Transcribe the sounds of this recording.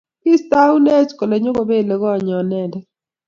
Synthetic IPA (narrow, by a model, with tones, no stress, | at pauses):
ɪ˦sta˦u˦ne˦t͡ʃko˨lɛ˨ɲo˦ko˨be˦˨le˨ɣɔ˦˨ɲɔ˨nɛ˦˨ndɛ˦